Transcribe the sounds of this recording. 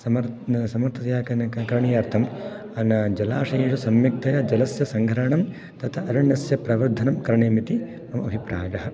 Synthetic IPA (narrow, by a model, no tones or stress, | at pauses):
sɐmɐɾsɐmɐɾt̪ʰɐt̪jaːkɐnkɐɾɐɳijaːɾt̪ʰɐm | ɐnɐd͡ʒɐlaːʂeːʂɐsɐmjɐk̚t̪ʰɐjɐd͡ʒɐlɐsjɐsɐŋɡʱɐɾɐɳɐm | t̪ɐt̪ʰɐʔɐɾɐɳɐsjɐpɾɐʋɐɾd̪ʱːɐnɐmkɐɾɐɳeːmit̪i | mɐmɐɐbʱipɾaːjɐɦɐ